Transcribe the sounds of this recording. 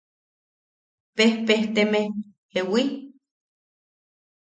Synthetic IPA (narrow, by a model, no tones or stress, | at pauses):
pehpeht̪eme | hewi